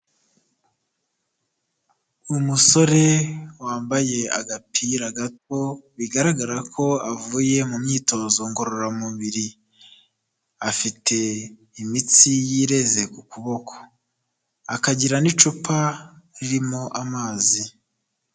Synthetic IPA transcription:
umuso̞ɾe̞waːmbaje̞a̰ɡapʰiɾaɡat̚o̞βiɡaɾaɡaɾakʰo̞avuːje̞mumɲiːto̞zo̞ŋɡo̞ɾo̞ɾamuβiɾi | afitʰe̞ | imit͡sijiɾe̞ze̞kukuβo̞kʰo̥ | akaɟiɾanit͡ʃupʰaɾiɾimoʔamaːzi

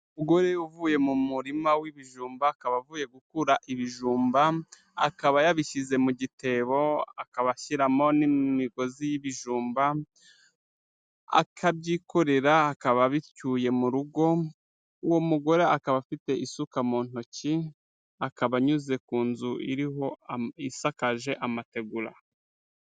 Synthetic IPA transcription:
uɡo̞ɾe̞juvuːje̞mumuɾimawiβiʒuːmbaːkaβavuːje̞ɡukuɾaʔiβiʒuːmba | a̰kaβajaβiʃize̞muɟite̞βo̞a̰kaβaʃiɾamo̞nimiɡo̞zijiβiʒuːmba | a̰kʰabɟiːko̞ɾe̞ɾaːkaβaβicuje̞muɾuɡo̞ | uwo̞muɡo̞ɾe̞akaβafite̞ʔisukamoːn̥ho̞ci | akaβaɲuze̞kuːnzuʔḭɾiɦo̞isakaʒe̞ʔamate̞ɡuɾa̰

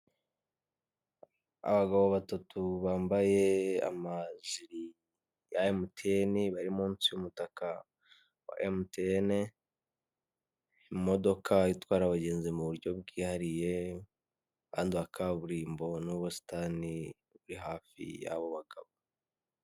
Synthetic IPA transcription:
a̰βaɡaβoβatatuβaːmbaje̞a̰maziɾi | jaemutʰeeniβaɾimuːnsijumutaka | wa̰ʔemteene | imo̞do̞kʰaitwaːɾaβaɟe̞ːnzimuβuɾɟo̞βɡiːhaɾije̞ | kaːndiβakʰaβuɾiːmbo̞nuβosi̥tani | βuɾiɦaːfḭja̰βo̞βaɡaβo

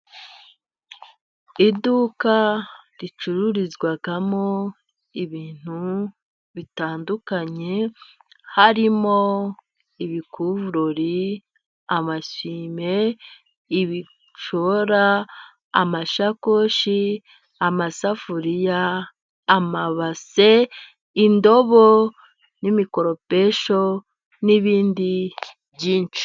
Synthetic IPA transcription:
idukaɾit͡ʃuɾuɾizɡwaɡamo | iβiːn̥hu | βitaːndukaɲe̞ | haɾimo | iβikuvuɾoɾi | amasime̞ | iβi | ʃoɾaː | maʃakoʃi | amasafuɾijaː | maβase | indo̞βo | nimiko̞ɾo̞pe̞ʃo | niβiːndi | βɟiːnt͡ʃi̥

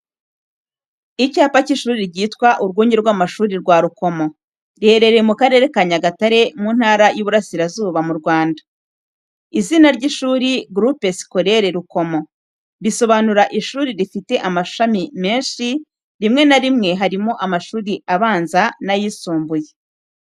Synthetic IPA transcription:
icaːpaciʃuːɾiɾɟiːtkwaʔuɾɡuːɲɟeɾɡwaːmaʃuːɾiɾɡwaːɾuko̞mo̞ | ɾihe̞ɾe̞ɾemukaɾe̞ːɾe̞kaɲaɡataɾe̞muːnhaːɾajuβuɾasiɾazuːβamuɾɡwaːndḁ | izinaɾɟiʃuːɾiɡɾupesko̞ɾe̞ɾeɾuko̞mo̞ | ɾiso̞βanuɾaʔiʃuːɾiɾifite̞ʔamaʃamime̞ːnʃi | ɾimŋe̞naɾimŋe̞ɦaɾimo̞ʔamaʃuːɾiʔaβaːnzanajisuːmbuje

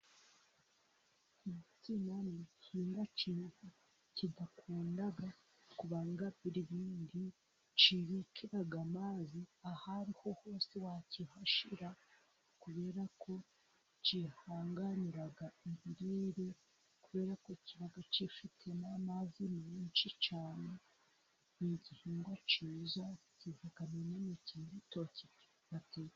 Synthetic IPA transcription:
mut͡sinanicʰiːndaciːnhu | cidakʰuːndaɡa | kuβaŋɡaβiɾiβiːndi | t͡ʃiβikʰiɾaɡamaːziahaɾiho̞ho̞ːsewacihaʃiɾa | kuβe̞ːɾakʰo̞ | t͡ʃihaːŋɡaniɾaɡaiβiɾiːɾe̞ | kuβe̞ːɾakociβaɡat͡ʃifitʰe̞namazimiːnt͡ʃit͡ʃaːne̞ | niɟihiːŋɡwat͡ʃiːzacihakameɲanicidito̞ci̥ | βatʰi

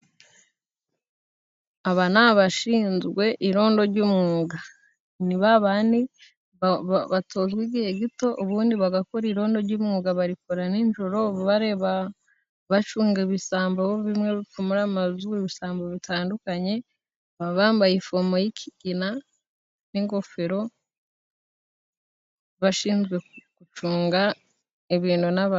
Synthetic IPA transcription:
aβanaβaʃiːnzɡwe̞ʔiɾo̞ːndo̞ɾɟuːmŋuːɡa | niβaβaːni | βatʰoːzɡwiɟihe̞ɡito̞ʔuβuːndiβaɡakoɾiɾo̞ːndo̞ɾɟuːmŋuːɡaβaɾikoɾaniɲʒoɾo̞ββaɾe̞βa | βat͡ʃuːŋɡeβisaːmboβoβimŋe̞βifumuɾamazueβisaːmboβitʰaːndukaɲe̞ | βaβaːmbajifomojikʰiɡina | niŋɡo̞feɾo̞ | βaʃiːnzɡwe̞kut͡ʃuːŋɡa | iβiːnunaβa

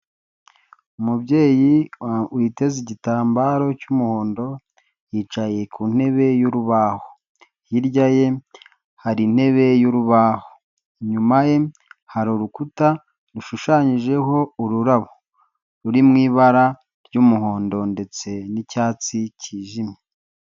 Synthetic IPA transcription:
umubɟe̞ːjiwite̞ziɟitaːmbaɾo̞cumuho̞ːndo̞ | jiːt͡ʃaje̞kun̥he̞βe̞juɾuβaːho | jiɾɟaje̞ | haɾin̥he̞βe̞juɾuβaːho | ɲumaje̞ | haɾoɾukuta | ɾuʃuʃaːɲiʒe̞ɦo̞uɾuɾaβo | ɾuɾimŋiːβaɾa | ɾɟumuɦo̞ːndo̞nde̞t͡se̞nicaːt͡siciːʒime

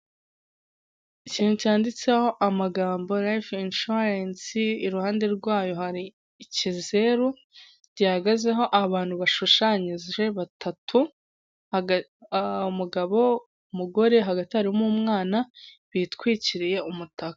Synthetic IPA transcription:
iciːn̥hucaːndit͡seho̞ʔamaɡaːmbo̞ɾajfinʃuɾensiːɾuhaːnde̞ɾɡwaːjo̞haɾiː | cize̞ɾu | ɾjahaɡaze̞ɦo̞ʔaβaːn̥huβaʃuʃaɲizʒe̞βatʰatʰu | umuɡaβo̞ | umuɡo̞ɾe̞ɦaɡatihaɾimumŋaːna | βitkwiːciɾije̞umutakḁ

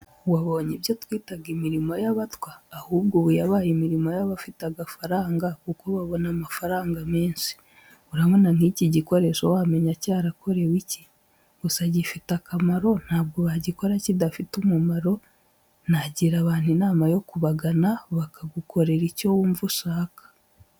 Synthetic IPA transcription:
waβo̞ɲeβjotwiːtaɡimiɾimo̞jaβatwaːhuːbɡoβujaβaːjimiɾimo̞jaβafitaɡafaɾaːŋɡakukoβaβo̞namafaɾaːŋɡameːnsi̥ | uɾamonaŋ̥iciɟiko̞ɾe̞ʃowame̞ɲacaːɾako̞ɾe̞wici | usaɟifitakamaɾo̞n̥haːb̚ɡoβaɟiko̞ɾacidafitumumaɾo̞ | naɟiɾaβaːn̥inaːmajo̞kuβaɡanaβakaɡukʰo̞ɾe̞ɾico̞wuːɱvuʃaːkḁ

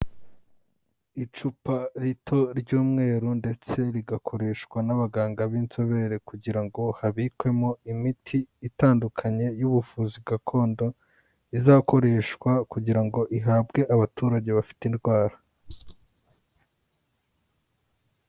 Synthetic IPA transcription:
it͡ʃupaɾitʰo̞ɾɟuːmŋe̞ːɾunde̞t͡se̞ɾiɡakʰo̞ɾe̞ʃkwanaβaɡaːŋɡaβiːnt͡so̞βe̞ɾe̞kuɟiɾaŋɡo̞haβikwe̞moimitʰiːtaːndukʰaɲe̞juβufuzibɡakʰo̞ːndo̞ | izaːko̞ɾe̞ʃkwakuɟiɾaŋɡo̞ʔiɦaːbɡe̞ʔaβatuːɾaɟe̞βafi̥tindɡwaːɾa

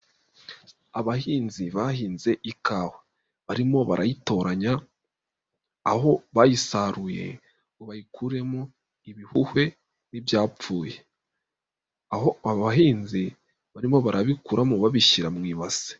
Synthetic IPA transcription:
aβahiːnziβahiːnze̞ʔikʰaːhe | βaɾimo̞βaɾʔajito̞ɾaɲa | ho̞βajisaɾuje̞̰ | oβajikʰuɾe̞mo | iβihuhwe̞ | nibjaːp͡fuːje | ahoaβaɦiːnzi | βaɾimo̞βaɾaβikuɾamuβaβiʃiɾamŋiːβase̥

